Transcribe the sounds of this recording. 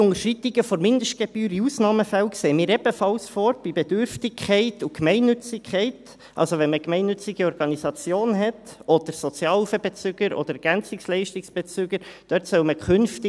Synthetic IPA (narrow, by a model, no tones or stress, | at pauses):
ʊŋəɾʃrit̪iɡ̥əfɔɾmɪnd̪əʃt̚ɡ̥eb̥yːɾiusnɑːməfælkseːmiːɾɛb̥əfɑlsfɔɾb̥ibed̥ʏɾftɪkʰχɛɪtukmɛɪnːʏt͡sɪkʰχɛɪt | ʔɑ̰lsoʋɛnməkmɛɪnːʏt͡sɪɡ̥iɔɾɡ̥ɑnisɑt͡sjoːnɦɛtʔɔd̥̪əɾsɔt͡sjɑːlufəbet͡syɡ̥əɾɔ̰d̥̪əɾɡ̥ænt͡sɪkslɛɪʃtɪksb̥et͡syɡ̥əɾd̥œtsœʊməkʰχʏnftɪ